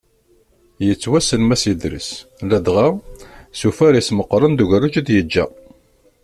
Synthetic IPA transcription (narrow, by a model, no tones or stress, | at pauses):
jət͡sːwæsənmæsid̪ɾə̰slæd̪ʁasufæɾisməqːɾˤənd̪uʝɾət͡ʃæd̪jəd͡ʒːæ